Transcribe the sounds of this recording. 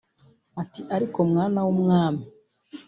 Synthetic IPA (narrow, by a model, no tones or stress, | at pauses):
atiʔaɾikomŋaːnawomŋaːmi